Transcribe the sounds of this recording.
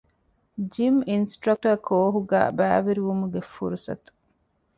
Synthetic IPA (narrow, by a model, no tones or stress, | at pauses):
d͡ʒiminsʈɾɐk̚ʈɐkʰoːɦuɡæ̰ːbæːʋeɾiʋumuɡefṵɾusɐ̰t̪u̥